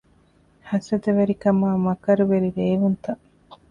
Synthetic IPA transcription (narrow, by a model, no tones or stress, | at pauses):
hɐsɐd̪eʋeɾikɐmaːmɐkɐɾuʋeɾiɾeːʋunt̪ɐ